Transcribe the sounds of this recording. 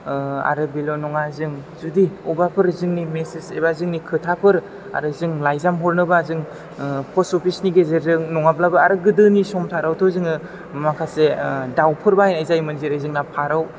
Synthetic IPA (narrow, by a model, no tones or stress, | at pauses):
a̰ɾɯbilonɔŋazɯŋzudiubapʰɯɾzɯŋnimesesebazɯŋnikʰɯtʰapʰɯɾ | a̰ɾɯzɯŋlajzamɦɔɾnɯbazɯŋ | pʰɔsɔpʰisniɡezeɾɯŋnɔŋablabɯaɾɯɡɯdɯnisɔmtʰaɾawtʰozɯŋɯ | makʰasedawpʰɯɾbaajnajzajmɯnzeɾezɯŋnapʰaɾaw